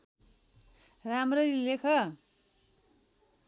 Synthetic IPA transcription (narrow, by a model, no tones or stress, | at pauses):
ramrʌrilekʰʌ